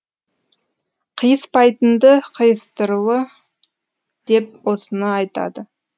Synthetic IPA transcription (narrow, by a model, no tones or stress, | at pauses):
qʰəjəspʰɑjt̪ənd̪əqʰəjəst̪əɾuwə | d̪̥e̞p̚wo̞sənɑɑjt̪ɑ̰d̪ə